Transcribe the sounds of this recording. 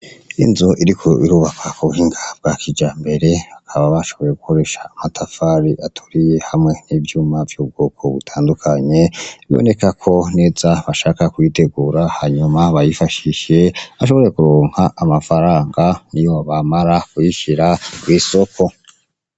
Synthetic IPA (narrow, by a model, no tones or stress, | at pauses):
ḭnzuʔiɾikʰoʔiɾuːβakʰakuβuhiːŋɡab̚ɡakʰid͡ʒaːmbe̞ɾe̞akʰaβaβaʃo̞βo̞je̞ɡukʰo̞ɾe̞ʃḁːmatʰafaɾiʔatʰu̥ɾije̞hamŋe̞n̥iːvjuːmavjuːb̚ɡoːkʰo̞̰βutʰaːndukʰaɲe̞βio̰ne̞kakʰo̞ne̞ːzaβaʃaːkakwite̞ɡuːɾahaɲumaβajifaʃiʃe̞aʃ̬o̞βo̞ɾje̞kuɾoːŋ̥haʔːmafaɾaːŋɡanijoβamaɾakwiʃiɾaɡwiːso̞kʰo̞